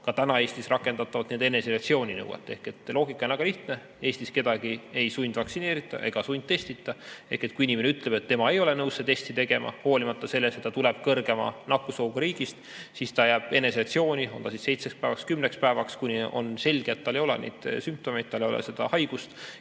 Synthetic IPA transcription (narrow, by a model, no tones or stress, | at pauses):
kɑt̪ænɑe̞ːst̪isrɑkːˑe̞nd̪ɑt̪ːˑɑvɑt̪nend̪e̞ne̞selekt̪sio̞ːnʲinɤ̰wḛt̪ːˑe̞hke̞t̪ːlo̞ːɡ̥ikːˑɑonvæɡɑliht̪ne | e̞ːst̪iske̞d̪̥ɑɡie̞jsujnʲd̪̥vɑksine̞ːɾit̪ːˑɑ̰ʔe̞̰ɡ̥ɑsunʲd̪̥̚t̪ːe̞st̪it̪ːˑɑe̞̰hkˑe̞t̪̚kuinʲimeneyt̪ˑle̞b̥et̪ːe̞mɑe̞jo̞lenɤwsːet̪e̞st̪it̪e̞ɡ̥e̞mɑ̰ho̞ːlimɑt̪ːɑse̞lːeset̪ːɑt̪uleb̥̚kɤrɡe̞mɑ̰nɑkːˑusoːɡuɾiːɡ̥ist̪ | sist̪ɑjæːb̥e̞ne̞seɑkt̪sio̞ːnʲio̞nt̪ɑsisse̞jt̪sekspæevɑkskymnekspæevɑkskunʲio̞̰nse̞lʲɡ̥et̪ːɑlːe̞jo̞lɛ̰nḛjd̪̥symp̚t̪o̞me̞jd̪̥t̪ːɑlejo̰lḛse̞d̪̥ɑ̰hɑjɡ̥ust̪